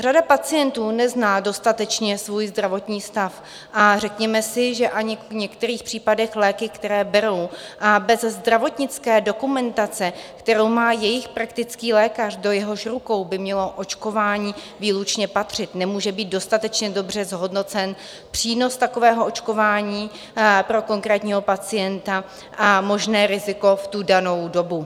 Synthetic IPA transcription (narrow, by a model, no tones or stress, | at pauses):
radapat͡sɪjɛnt̪uːnɛznaːdo̞st̪at̪ɛt͡ʃɲɛsvuːjzd̪ɾavo̞t̪ɲiːst̪af | ʔarɛkɲɛmɛsɪʒɛʔaɲɪɲɛkt̪ɛɾiːxpr̥iːpadɛxlɛːkɪkt̪ɛɾɛːbɛɾo̞wʔabɛzzd̪ɾavo̞t̪ɲɪt͡skɛːdo̞kumɛnt̪at͡sɛkt̪ɛɾo̞wmaːjɛjɪxpɾakt̪ɪt͡skiːlɛːkar̝do̞jɛɦo̞ʃɾuko̞wbɪmɲɛlo̞ʔot͡ʃko̞vaːɲiː | viːlut͡ʃɲɛpat̪r̝̥ɪt̪nɛmuːʒɛbiːt̪̚do̞st̪at̪ɛt͡ʃɲɛdo̞br̝ɛzɦo̞dno̞t͡sɛn | pr̥iːno̞st̪ako̞vɛːɦoʔo̞t͡ʃko̞vaːɲiː | pɾo̞ko̞ŋkɾɛːt̪ɲiːɦo̞pat͡sɪjɛnt̪a | mo̞ʒnɛːɾɪzɪko̞ft̪udano̞wdo̞bu